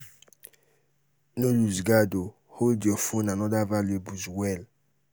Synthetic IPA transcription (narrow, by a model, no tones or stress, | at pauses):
noluzɡado | holdjɔfonanɔdavalebuzwɛl